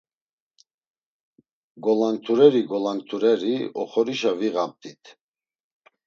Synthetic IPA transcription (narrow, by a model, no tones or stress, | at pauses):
ɡɔlant̪ʰuɾɛɾiɡɔlant̪ʰuɾɛɾiɔ̰χɔɾiʃaviɣamt̪ʰʼit̪ʰ